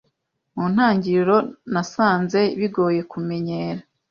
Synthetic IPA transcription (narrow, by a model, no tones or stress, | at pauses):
muːn̥haːɲɟiɾiɾo̞nasaːnze̞βiɡo̞ːje̞kume̞ɲeːɾa